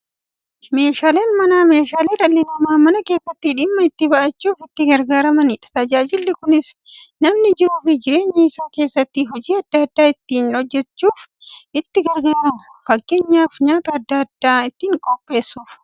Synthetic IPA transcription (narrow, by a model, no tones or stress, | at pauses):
me̞ːʃaːle̞ːnmɐnaːme̞ːʃaːleːɾɐlːɪnɐmaːmɐnɐke̞ːsːɐt̪ːɪᶑɪmːɐɪt̪ːɪbɐʔɐt͡ʃːuːfɪt̪ːɪɡɐɾɡaːɾɐmɐnɪᶑɐ̥t̪ɐd͡ʒaːd͡ʒɪlːɪkʊnɪs | nɐmnɪd͡ʒɪɾuːfɪd͡ʒɪɾe̞ːɲːɐɪsaːke̞ːsːɐt̪ːɪɦɔd͡ʒiːɐd̪ːɐd̪ːaːɪt̪ːiːnhɔd͡ʒːɛt͡ʃːuːf | ɪt̪ːɪɡɐɾɡaːɾufɐkːeːɲːaːfɲaːt̪ɐːd̪ːɐɐd̪ːaːɪt̪ːiːŋkʼɔpʼːe̞ːsːuːf